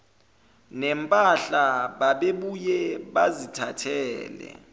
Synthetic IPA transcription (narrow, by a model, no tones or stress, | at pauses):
nɛmpʼaɬaɓaɓeɓujɛɓazitʰatʰɛːlɛ̰